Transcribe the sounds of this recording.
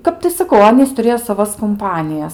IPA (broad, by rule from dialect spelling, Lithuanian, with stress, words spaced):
ˈkɐp tɐɪ sɐˈkɐʊ ˈɑːnʲiːs tʊˈrʲeːjoː sɐˈʋɐs kʊmˈpɑːnʲɪjɛs